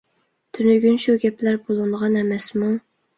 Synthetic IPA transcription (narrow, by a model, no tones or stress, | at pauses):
t̪ʰynyɡʲynʃuɡʲɛplæɾbolˠɨnʁɑnɛmɛsmu